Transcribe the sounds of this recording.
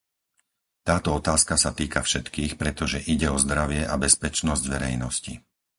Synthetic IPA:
t̪aːt̪ɔɔt̪aːskasat̪iːkafʃɛt̪kiːxpɾɛt̪ɔʒɛʔiɟɛɔzd̪ɾaʋɪɛʔabɛspɛt͡ʃnɔzɟʋɛɾɛjnɔscḭ

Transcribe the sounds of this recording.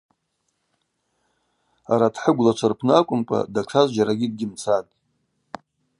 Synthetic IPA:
aɾatʰħəɡʷlat͡ʃʷʰarpʰnɨakʷʼʊmkʷʼa̰daʈ͡ʂʰazd͡ʒaɾaɡʲɪd̚ɡʲɪmt͡sʰatʼ

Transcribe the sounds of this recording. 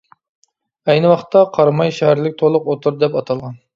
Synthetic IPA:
ɛjnɨwɑχt̪ʰːɑqʰɑɾmɑjʃɛɦæɾlɪk̚ʲt̪ʰolˠʊqot̪ʰuɾd̪ɛpɑt̪ʰɑlˠʁɑn

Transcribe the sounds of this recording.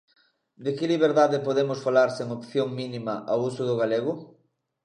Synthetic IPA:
d̪ɪkɪliβ̞eɾðaðepoðemʊsfalaɾseŋopθjoŋminimɐʔawusʊðʊɣaleɣʊ

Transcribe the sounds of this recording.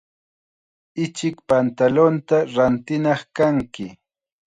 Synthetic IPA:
ɪt͡ʃɪkpant̪alont̪aɾant̪ɪnɑχkaŋkɪ

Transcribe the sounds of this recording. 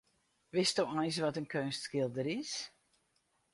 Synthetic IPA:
ʋɪstɔwɔjsʋɔtənkʰønstskɪlˠdəɾɪs

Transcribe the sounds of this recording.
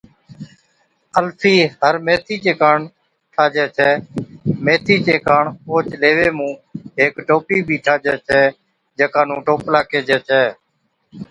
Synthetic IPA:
əlfʰiːɦəɾmeːt̪ʰiːt͡ʃeːkaːɳ | ʈʰaːd͡ʒɛːt͡ʃʰɛːmeːt̪ʰiːt͡ʃeːkaːɳoːt͡ʃleːʋeːmũːɦeːkʈoːpiːbʱiːʈʰaːd͡ʒɛːt͡ʃʰɛː | d͡ʒeːkaːnũːʈoːplaːkeːd͡ʒɛːt͡ʃʰɛː

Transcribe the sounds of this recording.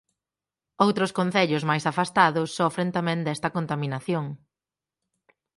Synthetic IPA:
owt̪ɾʊskõn̟θeʎʊzmajsafast̪aðʊsːɔfɾẽnt̪amɛ̃nd̪ɛst̪ɐkont̪aminaθjoŋ

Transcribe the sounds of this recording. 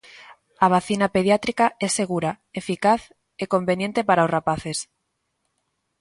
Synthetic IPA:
aβ̞aθinapeðjat̪ɾikaɛsːeɣ̞uɾa | efikaθ | ekombenjẽnt̪epaɾaozrapaθes

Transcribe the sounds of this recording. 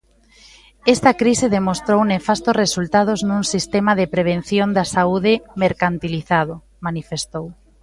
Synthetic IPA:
ɛst̪ɐkɾiseðemost̪ɾownefast̪oresult̪að̞oznũŋsist̪emaðepɾeβ̞en̟θjond̪ɐsauðɪmeɾkant̪iliθaðo | manifest̪ow

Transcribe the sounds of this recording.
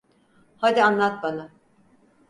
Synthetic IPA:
had̪ianlˠat̪̚bana

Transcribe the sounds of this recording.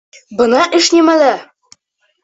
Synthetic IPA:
bɤ̆nɑʔɘ̆ʃnʲemælæ

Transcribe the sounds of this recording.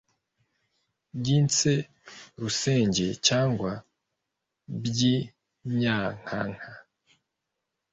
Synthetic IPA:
bɟiːnt͡se | ɾuse̞ːɲɟe̞caːŋɡwa | bɟi | ɲɲaːŋ̥aŋ̥ha

